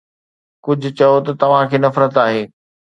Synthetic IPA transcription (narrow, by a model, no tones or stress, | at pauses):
kʊd͡ʑʱʊ̆t͡ɕɐjot̪ɐt̪ɐʋ̤ãkʰeːnɐfɾət̪aːɦeː